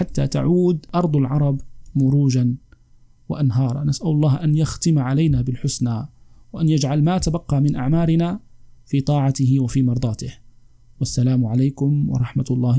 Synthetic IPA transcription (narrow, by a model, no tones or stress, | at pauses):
ħat̪ːaːt̪a̰ʕuːd̪ʔɑɾˤd̪ˤɑlʕɑɾˤɑbmʊɾuːd͡ʒan | wɪ̰ʔanɦɑːɾˤɑ̰nasʔalʊlˤːɑːhʔanjaxt̪ɪmʕalajnabɪlħʊsnawaʔanjad͡ʒʕalmat̪abɑqːɑmɪnʔaʕmaːɾɪnafiːt̪ˤɑːʕɑt̪ɪɦɪwɪfiːmɑɾˤd̪ˤɑːt̪ɪh | wasːalaːmʕalajkʊmwɑ̰ɾˤɑħmat̪lˤːɑː